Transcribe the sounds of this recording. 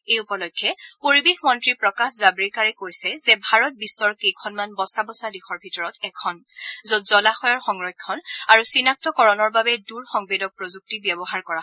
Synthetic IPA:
ejupɔlɔkʰːjɛpoɹibexmɔntɹipɹɔkaxzabɹikaɹikojsɛzɛbʱaɹɔt̚bisːɔɹkejkʰɔnmanbɔsabɔsadexʰɔɹbʱitɔɹɔtɛkʰɔn | zotzɔlaxɔjɔɹxɔŋɹɔjkkʰːɔnaɹusinak̚tɔkɔɹɔnɔɹbabɛduɹxɔŋbedɔk̚pɹozuk̚tibjɛbɔɦaɹkɔɹa

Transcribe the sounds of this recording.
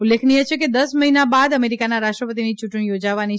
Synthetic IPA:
ulːekʰniet͡ʃʰeked̪əsməɦinabad̪əmeɾikanaɾaʃʈɾəpət̪̬init͡ʃʊʈɳijod͡ʒaʋani

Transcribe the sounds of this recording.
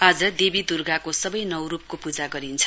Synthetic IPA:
ad͡zʌd̪ebid̪urɡakosʌbʌjnʌwrup̚kopud͡zaɡʌɾint͡sʰʌ̥

